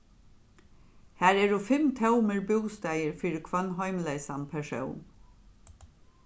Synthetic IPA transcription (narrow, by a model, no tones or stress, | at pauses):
hæːɾeːɹuːfɛmt̪ʰɑʊməɹbuːst̪æɪəɹfyɹkʰʋɑnhɑɪmleɪsɑnpʰæʃɑ̰ʊm